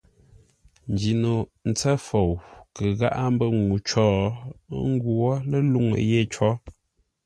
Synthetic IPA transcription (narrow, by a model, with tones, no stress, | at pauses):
n˨d͡ʒi˨no˨n̩˨t͡sɛ˦fo˨wkə˨ɣa̰˦ʔa˦m̩˦bə˦ŋu˨t͡ʃɔː˦˨˦ | ŋ̩˦ɡu˨ɔ˦lə˦lu˦˨ŋə̰˨je˦˨t͡ʃɔ˦